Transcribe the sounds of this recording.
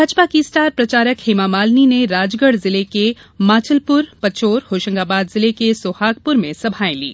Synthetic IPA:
ɐd͡ʒpakisʈaːɾpɾɐt͡ʃaːɾəkhɪmamaːlnineɾaːd͡ʒɡəɽzɪleke | maːt͡ʃʰəlpʊɾpɐt͡ʃoːɾhoːʃə̃ŋɡaːbaːd̪zɪlekesoːhaːk̚pʊɾmẽsɐbʱaːẽlḭː

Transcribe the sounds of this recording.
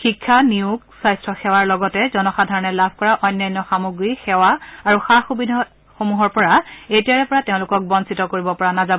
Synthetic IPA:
xikʰːaniuɡsajstʰɹɔxɛwaɹlɔɡɔtɛzɔnɔxadʱaɹɔnɛlabʱkɔɹaʔɔjnːajnːɔxamuɡɹixɛwaaɹuxaxubidʱɔ | xomuɦɔɹpɔɹaejtiaɹɛpɔɹateʊ̃lʊkɔk̚bɔnsitɔkoɹibɔpɔɹanazabɔ

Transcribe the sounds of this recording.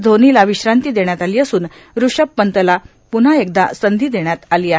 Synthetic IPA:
d̪ʱoniːlaʋiɕɾant̪iːd̪eɳjat̪aliːəsuːn | ɾuʂəpːənt̪əla | pun̤aek̚d̪asənd̪ʱiːd̪eɳ̃jat̪aliːaɦ

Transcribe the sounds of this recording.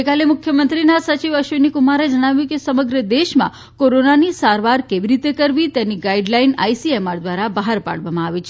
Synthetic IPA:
jkalemʊkʰjəmənt̪ɾinasət͡ʃiʋəʃʋenikumaɾed͡ʒəɽ̃aʋjũkesəməɡɾəd̪eʃmã̰ | koɾonanisaɾʋaɾkeʋiɾit̪ekəɾʋit̪janiɡaiɖlaina̰jsiemaɾd̪ʋaɾabaɦaɾpa̰ɽʋamãaʋit͡ʃʰe

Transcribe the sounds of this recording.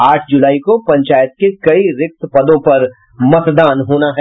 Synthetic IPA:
aːʈʰd͡ʒʊlaːikopɐ̃ɲt͡ʃaːjət̪̚kekɐiɾɪk̚t̪pɐd̪õpɐɾ | mɐtd̪aːnɦoːnaɦɛ

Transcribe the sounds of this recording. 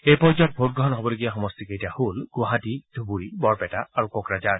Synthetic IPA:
ejpɔɹzat̚bʱot̚ɡɹɔɦɔnɦɔbɔloɡijaxɔmɔstikejtiahulɡ̥waɦatid̥ʱubuɹibɔɹpɛtaaɹukɔkɹad͡ʒaɹ

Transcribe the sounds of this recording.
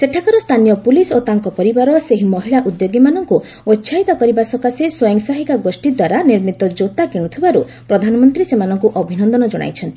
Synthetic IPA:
seʈʰakɔɾɔst̪ʰanijɔpulisot̪aŋkɔpɔɾibaɾɔseɦimɔɦiɭaʔud̪joɡimanɔŋku | otːʃʰajt̪ɔkɔɾibasɔkaseswɔjɔŋsaɦikaɡosʈid̪waɾaniɾmit̪ɔd͡ʒot̪akiɽ̃ut̪ʰibaɾu | pɾɔd̪ʱanɔmɔnt̪ɾisemanɔŋkuʔɔbʱinɔnd̪ɔnɔd͡ʒɔɽ̃a̰jt͡ʃʰɔnt̪ii̥

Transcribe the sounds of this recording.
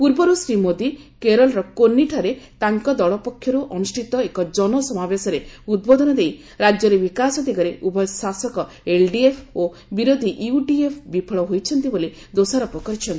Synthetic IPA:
puɾbɔɾusɾimod̪ikeɾɔlɔɾɔkonːiʈʰaɾet̪aŋkɔd̪ɔɭɔpɔkʰːjɔɾuʔɔnusʈʰit̪ɔekɔd͡ʒɔnɔsɔmabesɔɾeud̪̚bod̪ɔnɔd̪ej | ɾad͡ʒɔɾebikasɔd̪iɡɔɾeʔubʱɔjsasɔkɔ | elɖiepʰo | biɾod̪ʱiʔuɖiepʰbipʰɔɭɔɦojt͡ʃʰɔnt̪ibole | d̪osaɾɔpɔkɔɾit͡ʃʰɔnt̪i

